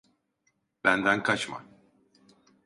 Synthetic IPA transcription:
bænd̪ænkʰat͡ʃma̰

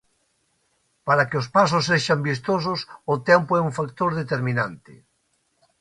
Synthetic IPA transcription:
paɾakeʊspasʊsːeʃambist̪os̬ʊsʊt̪ɛmpoɛuɱfakt̪oɾðet̪eɾminant̪ɪ̰

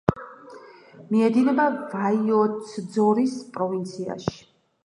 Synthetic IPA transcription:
miɛd̪inɛbavaiɔt̪sʰd̪zɔɾispʼɾɔvint̪sʰia̰ʃi̥

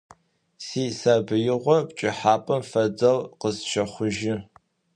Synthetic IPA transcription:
siːsaːbɨjɪʁʷɔpt͡ʃʼɪħaːpʼɐmfɐdɐlqəzʃɐχʷʊʒɪ

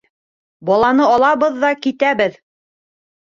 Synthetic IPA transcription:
bɒlˠɑnɤɑlˠɑβɤðːɑkit̪æβɘð

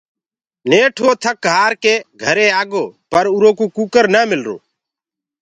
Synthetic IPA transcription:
neːʈʰoːt̪ʰək̚ːaːɾkeːɡʱəɾẽːaːɡoːpəɾuɾõːkuːkuːkəɾnaːmɪlɾo̰ː

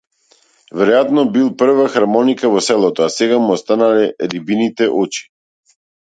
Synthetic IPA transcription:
vɛɾɔjat̪nɔbilˠpr̩vaxaɾmɔnikavɔsɛlˠɔt̪ɔasɛɡamuɔst̪analɛɾibinit̪ɛʔɔt͡ʃi̥

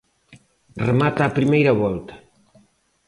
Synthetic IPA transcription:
remat̪aːpɾimejɾɐβɔlt̪ɐ̥

